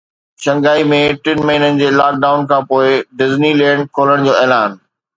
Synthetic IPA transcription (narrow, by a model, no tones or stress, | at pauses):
ʃɐ̃ŋɡaːimẽʈɪnmɐɦiːnənɪ̆d͡ʑeːlaːk̚ɖaːʊnkʰãːpoːɪɖɪznilɛ̃ːɳɖ̚kʰoːləɽ̃d͡ʑoːɛːlaːn